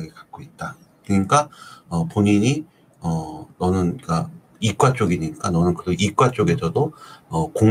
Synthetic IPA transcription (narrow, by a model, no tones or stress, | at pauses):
ɡekḁk̚k͈oit̚t͈a | kɯɲik͈aʌpoɲiɲi | ʌnʌnɯnik͈a | ik͈wat͡ɕ͈oɡiɲik͈anʌnɯnkɯɾʌʔik͈wat͡ɕ͈oɡe̞sʰʌdoʌko